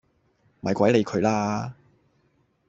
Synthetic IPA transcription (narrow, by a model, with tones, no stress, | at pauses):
mɐ˨˧jkʷɐ˨˥jle˨˧jkʰɵ˨˧ɥlaː˥